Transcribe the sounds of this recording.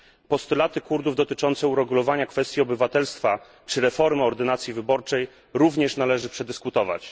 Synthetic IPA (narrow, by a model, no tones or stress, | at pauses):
pɔst̪ulat̪ɘkuɾd̪uvd̪ɔt̪ɘt͡ʂɔnt̪sɛuɾɛɡulɔvaɲakfɛst̪jiɔbɘvat̪ɛlst̪fa | t͡ʂɘɾɛfɔɾmɘɔɾd̪ɘnat̪sʲjivɘbɔɾt͡ʂɛj | ɾuvɲɛʂnalɛʐɘpʂɛd̪ɘskut̪ɔva̰t͡ɕ